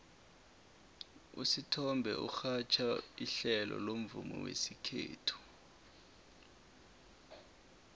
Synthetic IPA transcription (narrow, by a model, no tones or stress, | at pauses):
ṵsitʰɔmbʱɛʔuxat͡ʃʰaiɬɛlɔ̰lom̩vumɔ̰wesikʰeːtʰu̥